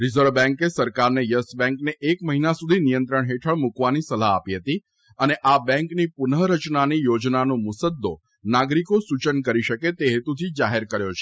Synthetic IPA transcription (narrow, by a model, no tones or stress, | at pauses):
ɾizəɾʋbɛ̃ŋkesəɾkaɾnejəsbɛ̃ŋkneʔːkməɦinasud̪ʱinijənt̪ɾəɳɦeʈʰəɭmukʋanisəlaːpiɦət̪i | əneʔabɛ̃ŋknipʊnəɦɾət͡ʃnanijod͡ʒnanũmʊsəd̪ːo | naɡɾikosut͡ʃənkəɾiʃəket̪eɦet̪ut̪ʰid͡ʒaɦeɾkəɾjot͡ʃʰe̥